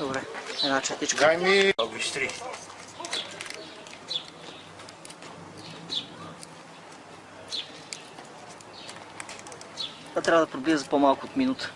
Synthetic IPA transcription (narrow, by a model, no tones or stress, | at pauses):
d̪obɾɛɛnat͡ʃɛt̪it͡ʃkajmiɡiʃt̪ɾi | at̪ɾʲavəd̪ɐpɾoblizəzpɔmalˠkʊot̪minut̪ə̥